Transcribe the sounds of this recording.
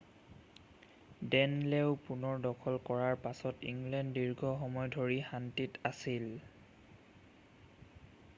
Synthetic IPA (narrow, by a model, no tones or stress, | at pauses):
dɛnlɛʊpunɔɹdɔkʰɔlkɔɹaɹpasɔtḭŋɡlɛndːiɹɡɔxɔmɔjdʱoɹixantitasil